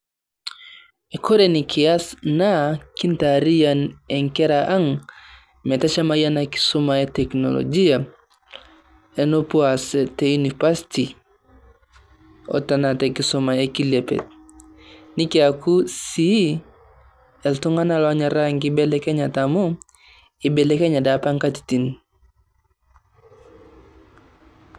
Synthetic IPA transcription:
ekoɾenikʰiasnakintaɾijaneŋkeɾaʔaŋ | metat͡ʃamajanaki̥sumaetekno̰lo̰d͡ʒia | enopuaseteunipasi̥ti | ɔ̰tanatekisumajekilepḛt̚ | nikiakusi | eltuŋanalɔaɲaɾaŋkibɛlɛkeɲatamo | ibelekeɲadapaŋkati̥tin

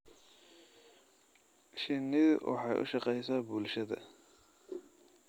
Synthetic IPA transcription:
ʃɪnɪðwʔɑ̰ħɑjʔʊ̰ʃɑqɛjsabʊlʃɐðɐ̰

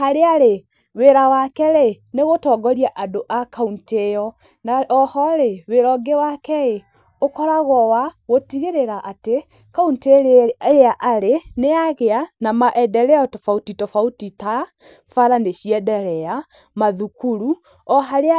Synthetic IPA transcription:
aɾeaɾe | weɾawakɛɾeneɣotɔːɡɔɾiaʔadoʔakauntejɔ | nɔhɔɾeweɾɔɡewakɛe | okɔɾaɣɔwaɣotiɣeɾeɾaʔate | kaunteɾeaʔaɾeneaɣeanamaʔɛdɛɾɛɔtɔfautitɔfautita | faɾandeɕiɛdɛɾɛja | maðukuɾu | ɔɦaɾea

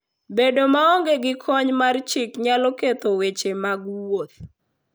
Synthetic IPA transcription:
bedomaɔŋɡeɡɪkʰɔɲmart͡ʃɪkɲalɔket̪owet͡ʃemaɡwot̪̚

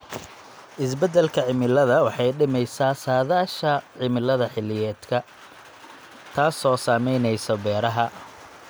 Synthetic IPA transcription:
ʔɪs̬bɛd̪ɛlkʰɐʕɪmɪlɐðɐwɑħɑjɖɪmɛjsaːsaːðaːʃɐʕɪmɪlɐðɐħɪlɪjɛːd̪kʰɐ | t̪ʰaːsɔːsaːmɛjnɛjsɔbɛːɾɐɦɐ

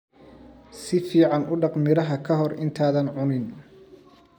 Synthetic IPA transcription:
sɪfiːʕɑnʔʊɖɑqmɪɾɐɦɐkʰɐɦɔrɪnt̪ʰaːðɐnʕʊnɪn

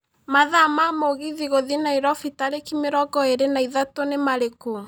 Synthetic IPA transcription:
maðamamoɣiðiɣoðinaiɾɔfitaɾekimeɾɔɡɔeɾenaiðatonemaɾeku

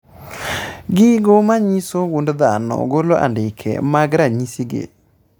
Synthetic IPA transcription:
ɡɪɡomaɲisoɡundðanɔ̰ɡoloʔa̰ndɪkʰɛ̰maɡɾaɲisiɡḛ

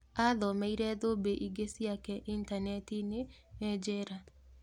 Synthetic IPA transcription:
ad̪ɔmaiɾɛd̪obeʔiɡesjakɛʔintanetinɪ | mɛd͡ʒeɾa

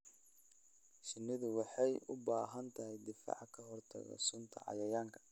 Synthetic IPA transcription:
ʃɪnːɪðʊwɑħɑjʊbaːɦɐnt̪ʰɐɦɛjd̪ɪfa̰ːʕkʰɐhɔrt̪ʰɐ̰ɣɔ̰sʊnt̪ʰɐ̰ʕɑ̰jɐjaːŋkʰɐ̥

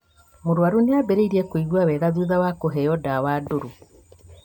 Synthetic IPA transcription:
moɾwaɾoneabɛɾeiɾiɛkoiɣwawɛɣaðuːðawakoɦɛjɔdawadoɾu

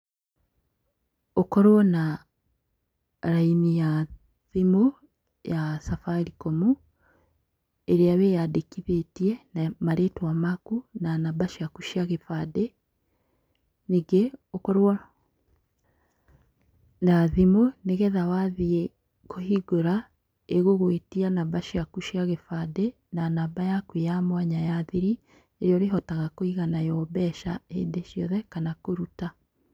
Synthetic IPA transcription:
okɔɾwɔna | ɾainija | ðimo | jasafaɾikɔmu | eɾeaβejadekiðetiɛnamaɾetwamakunanabaʃiakuʃiaɣefadɛ | neɡeokɔɾwɔ | naðimoneɣɛðawaðie | kohiɡoɾa | eɣoɣwetianabaʃiakuʃjaɣefade | nanaːbajakwejamwaɲajaðiɾi | eɾeɔɾeɦɔtaɣakoiɣanajɔbɛʃaendeʃjɔðɛkanakoɾuta

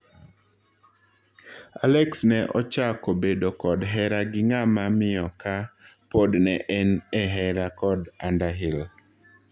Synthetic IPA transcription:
alɛksnɛʔɔt͡ʃakobedokɔdɦɛɾaɡɪŋamamɪɔkapodnɛʔɛnɛɦɛɾakɔdandaɦɪl

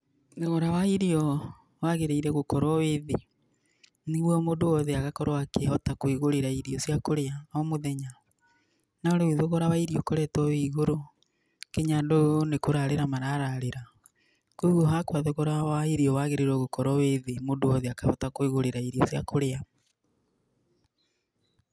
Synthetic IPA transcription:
ðeɣɔɾawaiɾiɔ | waɣeɾeiɾɛɣokɔɾɔweðe | niɣwɔmondoɔðɛaɣakɔɾowakehɔtakoiɣoɾeɾaiɾiɔsjakoɾeaɔmoðɛɲa | naoɾeuðoɣɔɾawaiɾiɔkoɾɛtɔwiɣoɾo | keɲadonekoɾaɾeɾamaɾaɾaɾeɾa | koiɣɔɦakwaðoɣɔɾawaiɾiɔwaɣeɾeiɾɔɣokɔɾɔweðemondoɔðɛakahɔtakoiɣoɾeɾaiɾiɔsja̰koɾea

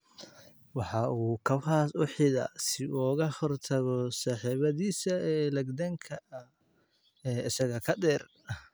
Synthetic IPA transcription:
wɑħɑuːkʰɐwhaːsʊħɪðɐ̰sɪʔːɣɐhɔrt̪ʰɐɣɔsɑːħiːβɐðiːsɐɛːlɐɡd̪ɐŋkʰɐʔɐ | ɛːɪsɐɣɐkʰɐd̪ɛːr

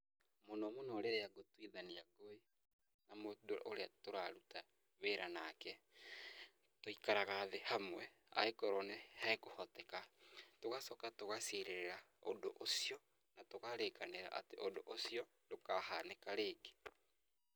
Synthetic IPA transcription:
monɔmonɔɾeɾeaɡotwiðaniaɡoe | namodoʔoɾeatoɾaɾuta | βeɾanakɛ | toikaɾaɣaːðehamwɛ | a̰ekɔɾɔnehaekohɔtɛkatoɣasɔkatoɣaseɾeɾeɾa | o̰ndoʔosiɔ | natoɣaɾekaneɾa̰ʔa̰teʔondoʔosiɔ | dokahanekaɾeːɡe

